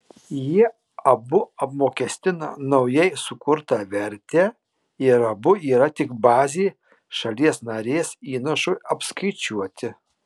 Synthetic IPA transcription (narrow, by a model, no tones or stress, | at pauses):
ji | ɐbʊɐpmoːkʲɛsʲt̪ʲɪnɐ̰nɐʊjɛɪsʊkʊɾt̪ɐʋʲɛɾʲt̪ʲɛː | ɪɾɐbʊiːɾɐt̪ʲɪkbɑːzʲeː | ʃɐlʲiɛsnɐɾʲeːsiːnɐʃʊɐpskɐɪt͡ʃʲuɔt̪ʲɪ